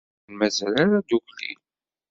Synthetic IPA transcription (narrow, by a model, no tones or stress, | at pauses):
nmæzælaɾad̪uklḭl